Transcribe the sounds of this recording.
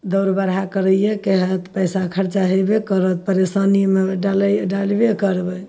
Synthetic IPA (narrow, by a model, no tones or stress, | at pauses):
d̪əɾbəɾɦakəɾəjekeɦət̪pəjsakʰəɾt͡ʃaɦebekəɾət̪̚pəɾesanimeɖalɖalbekəɾbə